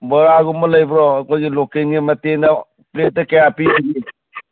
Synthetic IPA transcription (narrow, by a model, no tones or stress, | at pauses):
bɐɾaɡumɐlɐjbɾɔɐkojɡilokeŋɡimɐtenɐ | plet̚dɐkɐjapibiɡi